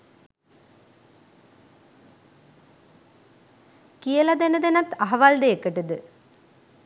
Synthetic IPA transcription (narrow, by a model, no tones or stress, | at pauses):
kijɐlɐd̪enɐd̪enɐt̪ɐɦɐʋaːld̪ejekːəʈɨd̪ɨ